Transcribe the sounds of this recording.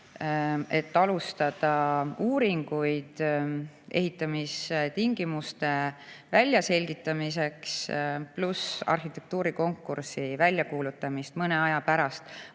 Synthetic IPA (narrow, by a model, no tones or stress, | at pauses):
e̞t̪ːɑlust̪ɑd̪̥ɑuːɾiŋɡ̥ujd̪̥ | e̞̰ɦit̪ːˑɑmist̪iŋɡ̥imust̪e̞vælʲːjɑse̞lʲɡ̥it̪ˑːɑmis̬e̞ksplusɑ̰rxit̪ːˑe̞k̚t̪uːɾiko̞ŋkːuɾsivælʲjɑkuːlut̪ˑːɑmist̪mɤne̞ɑjɑpæɾɑst̪